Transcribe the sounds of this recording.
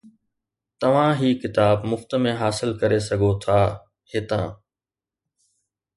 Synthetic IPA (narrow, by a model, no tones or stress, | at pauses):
t̪ɐʋ̤ãɦiːkɪt̪aːbmʊft̪ə̆mẽɦaːsɪlkɐɾesɐɡʱot̪ʰaː | hɪt̪ã̰ː